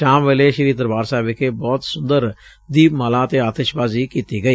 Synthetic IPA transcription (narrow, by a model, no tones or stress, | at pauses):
ʃaːmʋeːleːʃɪɾiːd̪əɾbaːɾsɛːbɪkeːbɔːt̪sʊnd̪əɾ | d̪iːpmaːlaːət̪eːaːt̪əʃbaːziːkiːt̪iːɡəiː